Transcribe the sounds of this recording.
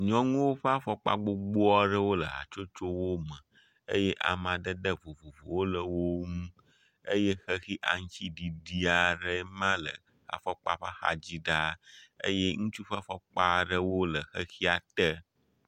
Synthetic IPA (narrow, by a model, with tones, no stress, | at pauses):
ɲɔ̃˦ŋũ˦wo˦ɸe˦a˦fɔ˦k͡pa̰˦ɡ͡bo˦ɡ͡bo˦ɔ˦ɖə˦wo˦lə̰˨ɦa̰˨t͡ʃo˦t͡ʃo˦wo˦mə̃˨ | ḛ˦je˦ʔa̰˨mã˨ɖə˦ɖə˦vo˨vo˨vo̰˨wo˦lə˨wo˦ŋũ˦ | e˦je˦xə˦xi˦ʔa˨ŋ̩˦t͡ɕi˦ɖi˨ɖi˦a˨ɖə˦mã˦lə̰˨ | xa̰˨fɔ˦k͡pa˦ɸa˦xa̰˦d͡ʑi˦ɖa˦ḛ˦je˦ŋũ˦t͡ʃu˦ɸa˦fɔ˦k͡pa˦˨ɖə˦wo˦lə˨xə˦xi˦a˨t̪ə˦